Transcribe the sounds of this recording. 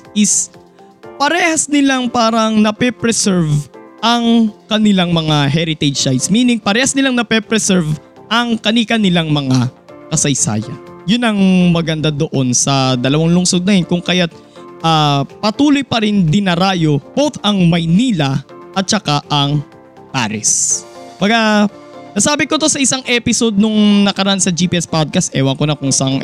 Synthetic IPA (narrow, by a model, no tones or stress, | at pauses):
ʔɪs | pɐɾɛːhɐsnɪlaŋpaːɾɐŋnɐpɛpɾɛsɛɹvʔɐŋkɐnɪlaŋmɐŋaɦɛɾɪt̪ɛd͡ʒsaj̪smiːnɪŋpɐɾɛːhɐsnɪlaŋnɐpɛpɾɛsɛɹv | ʔɐŋkɐnikɐnɪlaŋmɐŋa | kɐsɐjsa̰ːjɐ̰jʊnɐŋmɐɡɐnd̪ad̪oʔo̞nsɐd̪ɐlɐwaŋlʊŋsod̪̚nɐjonkʊŋkɐjat̪̚ | ʔapɐt̪uːlojpɐɾɪnd̪ɪnɐɾaːjo̞b̥owt̪ɐŋmɐjniːlɐʔɐt̪̚t͡ʃɐkaʔɐŋ | pa̰ːɾɛsmbɐɡa | nɐsaːbɪkot̪o̞sɐʔɪsaŋʔɛpɪso̞d̪̚nʊŋnɐkɐɾɐʔansɐd͡ʒipiʔɛspad̪̚kɐst̪ʔɛwɐŋkonɐkʊŋsɐʔŋ